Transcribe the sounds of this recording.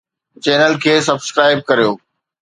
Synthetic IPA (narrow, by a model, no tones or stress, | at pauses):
t͡ɕeːnəlkʰeːsɐbskɾaːɪb̚kɐɾijoː